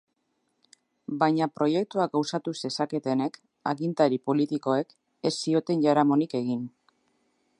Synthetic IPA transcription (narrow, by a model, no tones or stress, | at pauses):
bajɲapɾo̞je̞k̚t̪uaɡawsat̪use̞sake̞t̪e̞ne̞k | a̰ɣint̪aɾipo̞lit̪iko̞e̞k | e̞sːio̞t̪e̞nʝaɾamo̞nike̞ɣin